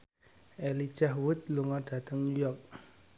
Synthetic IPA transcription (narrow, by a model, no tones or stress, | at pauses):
ɛlid͡ʒaɦwut̪̚luŋad̥a̤t̪əŋujɔk̚